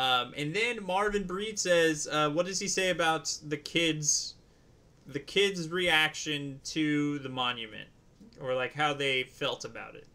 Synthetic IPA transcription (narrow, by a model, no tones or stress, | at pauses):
ʌ̃mʔɨ̃nðɨ̃nmɑɹvɨ̃nbɹidsɛzʌwʌt̚d̥ʌz̥iseɪɨbaʊt̪̚ðɨkʰɪdz̥ | ðɨkʰɪdzɹiækʃɨ̃ntʰɨðɨmɑ̃njɨmɨ̰̃nt̚ | ə˞laɪkɦaʊðeɪfɛlˠtəba̰ʊɾɪ̰t̚